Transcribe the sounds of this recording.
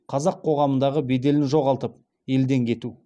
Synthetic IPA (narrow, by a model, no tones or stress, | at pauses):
qʰɑzɑqʰːo̞ʁɑmənd̪ɑʁəbe̞d̪e̞lɪnʒo̞ʁɑlˠt̪əp̚ | e̞ld̪e̞ŋkʲʰe̞t̪u